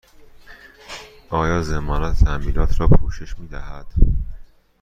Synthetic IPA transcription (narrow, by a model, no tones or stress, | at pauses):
ʔɒːjɒːzemɒːnɒt̪ʰt̪ʰæmbiːlɒːt̪ʰɾɒːpʰuːʃe̞ʃmiːd̪æhæd̪̥